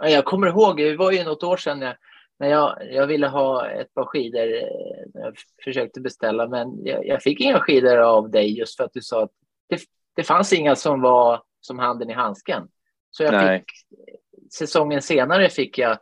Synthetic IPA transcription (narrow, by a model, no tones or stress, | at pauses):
ɑjɑːɡ̚kʰɔmːəɾɦoːɡɪvaɾjɵnɔt̪ːoːʂɛnːja | næjɑjɑɡvɪlːəɦɑːɛ̰t̪̚pʰɑːɾɧiːd̪əɾsɛ̰jɑ̰fœʂøːk̚t̪əbɛst̪ɛlːamɛnjɑ̰jʔɑ̰ɡfɪkːɪŋːaɧiːd̪əɾavd̪ɛjːɵst̪fœɾat̪̚d̪ɵsɑːat̪ | d̪̥ɛ | d̪̥ɛfansɪŋːasɔmva | sɔmɦand̪ənɪɦanskən | sɔjafɪk | sɛsɔŋːənseːnaɾəfɪkːja